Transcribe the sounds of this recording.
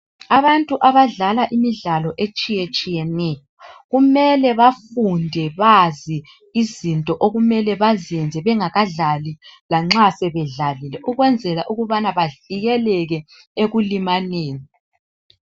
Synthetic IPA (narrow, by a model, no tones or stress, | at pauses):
aβantʼuʔaβaɮalaʔimiɮalɔʔet͡ʃʼijet͡ʃʼijɛnɛjɔɣumɛlɛβafundʱɛβazi | izintʼɔʔoɣumɛlɛβaziɛnd͡zʱɛβɛŋaɣaɮalilaŋ͡ǁasɛβɛɮalilɛʔuɣwɛnd͡zʱɛlaʔuɣuβanaβaɮiɣɛlɛɣɛ | eɣulimaneːni